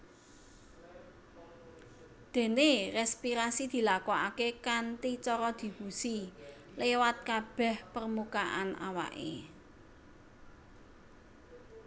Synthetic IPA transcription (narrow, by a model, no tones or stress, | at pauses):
d̪̥e̤nerɛspiɾasid̪̥i̤lakɔakekant̪it͡ʃɔɾɔd̪̥i̤b̥usi | lewat̪̚kab̥ɛ̤hpərmukaʔa̰na̰wa̰ʔḛ